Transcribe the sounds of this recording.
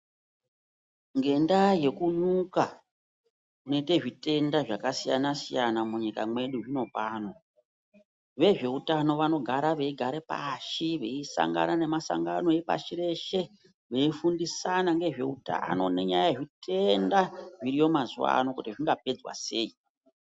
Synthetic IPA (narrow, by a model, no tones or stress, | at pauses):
ŋɡe̞ndaje̞kunuka | unete̞ʐite̞ndaʐakasija̰nasijanamuɲika̰mwe̞ɗuʐino̞paːno̞ | ʋe̞ʐe̞utano̞ʋano̞ɡʱaɾaʋe̞iɡʱaɾepa̰ʃiʋe̞isa̰ŋɡa̰nane̞masa̰ŋɡano̞epa̰ʃiɾe̞ʃe̞ | ʋe̞ifundisanaŋɡe̞ʐe̞uta̰no̞̰ne̞ɲajajeʐite̞ndaʐiɾijo̞mazuwa̰nokutiʐiŋɡape̞d͡zwa̰se̞̰ːi